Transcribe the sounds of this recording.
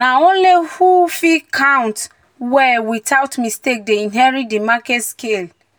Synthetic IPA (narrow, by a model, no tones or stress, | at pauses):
naõnlihufikʰãʊ̃nt | wɛwitaʊtmistek̚deĩnɦɛɹitdimakɛtskel